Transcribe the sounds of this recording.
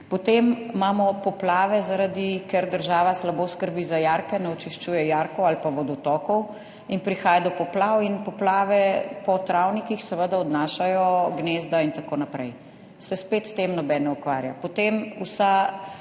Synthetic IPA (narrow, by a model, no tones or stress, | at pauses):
pɔt̪emːamɔpɔplaːʋɛzaɾad̪ikɛɾd̪əɾʒaːʋaslaboːskəɾbizajaɾkɛnɛɔt͡ʃiʃt͡ʃuːjɛjaɾkɔwalpaʋɔd̪ɔt̪ɔkɔw | inpɾixaːjad̪ɔpɔplawinpɔplaːʋɛpɔt̪ɾawnikixsɛʋəd̪aɔd̪naʃajɔɡnezd̪aint̪akoːnapɾɛj | sɛspet̪st̪emnɔbɛnɔukʋaːɾja̰pɔt̪emusa